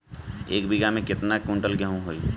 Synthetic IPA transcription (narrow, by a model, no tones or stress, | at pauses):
eːkbiɡamẽkɪt̪nakʊ̃ɳʈəlɡɛɦũɦoiː